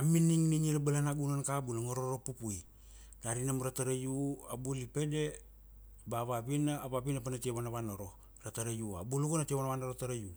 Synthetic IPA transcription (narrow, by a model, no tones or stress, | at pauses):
aminiŋniɲiɾabalanaɡunankabulaŋoɾoɾopupuj | daɾinamaɾataɾajuabulipede | baβapinaːβapinapanatieβanaβanoɾo | ɾataɾajua̰bulukonatieβanaβanoɾotaɾaju